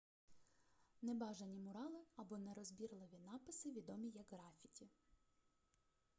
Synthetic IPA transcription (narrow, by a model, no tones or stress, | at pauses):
nɛbɑʒɐnʲimʊɾɑlˠɪɐbɔnɛɾɔzbʲirlˠɪʋʲinɑpɪsɪʋʲid̪ɔmʲijɐɡɦɾɑfʲitʲi